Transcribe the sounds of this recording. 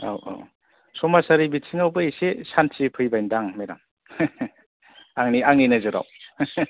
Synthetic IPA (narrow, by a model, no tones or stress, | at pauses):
a̰wa̰w | sɔmasaɾibitsʰiŋawbɯisesantʰipʰɯjbajndaŋmeɾa̰m | aŋniaŋninɯzɯɾa̰w